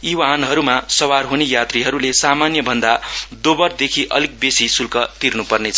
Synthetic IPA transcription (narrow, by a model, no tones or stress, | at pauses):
iwanɦʌɾumasʌwarɦunejat̪riɦʌɾulesamanjʌbʱʌnd̪ad̪obʌrd̪ekʰiʔʌ̰lik̚besisulkʌt̪irnupʌrnet͡sʰʌ